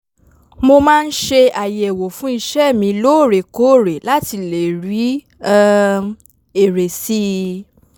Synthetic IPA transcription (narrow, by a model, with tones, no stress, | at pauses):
mo˧mãː˦˧n̩˦ʃe˧a˨je˨wo˨fũ˨˦i˧ʃɛ˦˨mĩ˧loː˦˨ɾe˨ko˦˨ɾe˨la˦ti˧le˨ɾi˨˦˧ | e˨ɾe˨si˦